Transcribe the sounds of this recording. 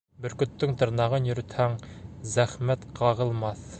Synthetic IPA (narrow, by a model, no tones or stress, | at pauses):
bɵɾkɵ̆t̪ːɵŋt̪ɤ̆ɾnɑʁɤnjɵ̆ɾy̆t̪hæŋ | zæχmæt̪qʰɑʁɤ̆lˠmɑθ